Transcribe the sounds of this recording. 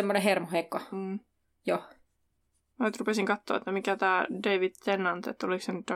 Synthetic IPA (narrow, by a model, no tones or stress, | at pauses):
emːonehermohekːoː | jo | mænyt̪rupesiŋkɑt̪ːo̰ːḛt̪ːæmikæt̪æːdeiʋid̪̥t̪enːɑnt̪ḛt̪ːoliksenyt̪ːɑ